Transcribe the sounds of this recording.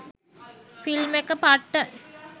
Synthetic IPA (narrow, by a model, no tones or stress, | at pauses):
filmekəpaʈːə